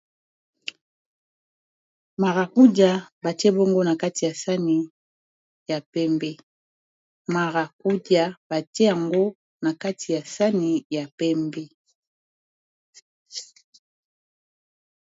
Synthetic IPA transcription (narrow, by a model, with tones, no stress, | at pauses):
ma˨ʁa˨ku˦dja˨ba˨tɛ˦bo˦ŋɡo˦na˨ka˦ti˨ja˨sa˦ni˨ | ja˨pɛ˦mbɛ˦ | ma˨ʁa˨ku˦da˨ba˨tje˦ja˨ŋɡo˦ | na˨ka˦ti˨ja˨sa˦ni˨ja˨pɛ˦mbɛ˦